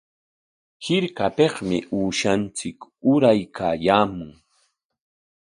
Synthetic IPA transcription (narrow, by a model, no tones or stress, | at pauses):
hɪɾkapeχmɪʔuːʃant͡sɪkʊɾajkʰaːjaːmʊŋ